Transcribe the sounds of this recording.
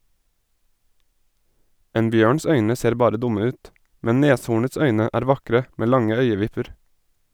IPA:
ˈeːn ˈbjøːɳs ˈœʏnə ˈseːɾ ˈbɑːɾə ˈdʊmə ˈʉːt ˈmɛn ˈneːshuːɳəts ˈœʏnə ˈæːɾ ˈʋɑkɾə ˈmeː ˈlɑŋə ˈœʏəˌʋɪpəɾ

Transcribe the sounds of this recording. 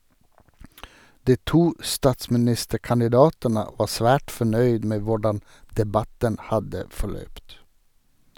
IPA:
ˈdiː ˈtuː ˈstɑːtsmɪˌnɪstəkɑnɪˌdɑːtənə ˈʋɑː ˈsʋæːʈ fɔˈɳœʏd ˈmeː ˈʋʊɖɑn dɛˈbɑtən ˈhɑdə fɔˈɭœpt

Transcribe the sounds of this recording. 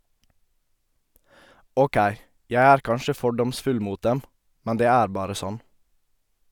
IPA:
ˈoːˌkæɪ ˈjæ ˈæːɾ ˈkɑnʃə ˈfɔɖɔmsfʉl ˈmuːt ˈdɛm ˈmɛn ˈdeː ˈæːɾ ˈbɑːɾə ˈsɔn

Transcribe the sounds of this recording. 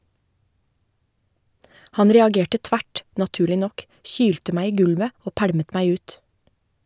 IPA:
ˈhɑn ɾɛɑˈɡeːʈə ˈtʋæʈ nɑˈtʉːɭɪ ˈnɔk ˈçyːltə ˈmæ ˈiː ˈɡʉlʋə ˈoː ˈpæɽmət ˈmæɪ ˈʉːt

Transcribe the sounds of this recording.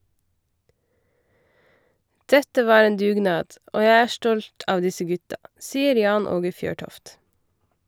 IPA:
ˈdɛtə ˈʋɑː ˈeːn ˈdʉːˌɡnɑːd ˈoː ˈjæɪ ˈæː ˈstɔlt ˈɑːʋ ˈdɪsə ˈɡʉtɑ ˈsiːəɾ ˈjɑːn ˈoːɡə ˈfjøːˌʈɔft

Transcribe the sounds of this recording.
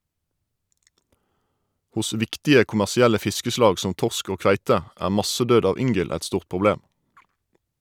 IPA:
ˈhʊs ˈʋɪktɪə kʊmæʁsɪˈælə ˈfɪskəˌslɑːɡ ˈsɔm ˈtɔʁsk ˈoː ˈkʋæɪtə ˈæː ˈmɑsəˌdøːd ˈɑʋ ˈʏŋɡəl ˈɛt ˈstuːʁ pʁʊˈbleːm

